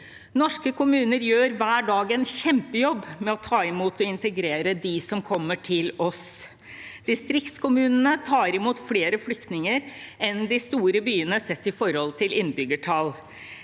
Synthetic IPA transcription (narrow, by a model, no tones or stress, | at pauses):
nɔʂkəkʊmʉːnəɾjøːɾʋæːɖɑːɡɛnçɛmpəjɔbːmɛɔt̪ʰɑːɪmuːt̪ɔɪnt̪əɡɾeːɾəd̪ɪsɔmkʰɔmːəʈʰɪlɔs | d̪̥ɪst̪ɾɪkt̪skʊmʉːnənət̪ʰɑːɾɪmuːt̪fleːɾəflʏkt̪nɪŋəɾɛnd̪ɪst̪uːɾəbyːənəsɛt̪ːɪfɔɾhɔlt̪ʰɪlɪnːbʏɡəʈʰɑl